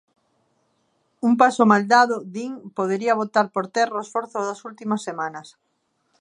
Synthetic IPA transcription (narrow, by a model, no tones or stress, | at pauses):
umpasomald̪aðʊd̪iŋpoð̞eɾiɐβot̪aɾpoɾt̪ɛroesfoɾθʊðɐsult̪imɐsːemãnɐs